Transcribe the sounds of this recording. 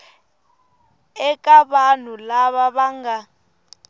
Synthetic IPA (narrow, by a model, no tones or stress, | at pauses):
ɛkʼaβan̤ulaβaβaŋɡa